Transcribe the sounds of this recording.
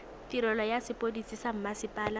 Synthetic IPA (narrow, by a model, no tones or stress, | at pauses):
tiɾɔlɔjasɪpʼodisisam̩masɪpʼaːla